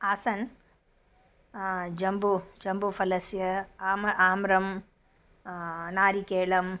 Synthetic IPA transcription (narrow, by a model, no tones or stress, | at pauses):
aːsɐn | d͡ʒɐmbud͡ʒɐmbufɐlɐsjɐːmaːmɾɐm | naːɾikeːɭɐm